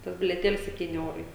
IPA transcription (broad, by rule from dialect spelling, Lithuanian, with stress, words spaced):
ˈtɐs bʲɪlʲiɛˈtʲeːlʲɪs sʲɛpʲˈtʲiːnʲɪ ˈɛʊrɐɪ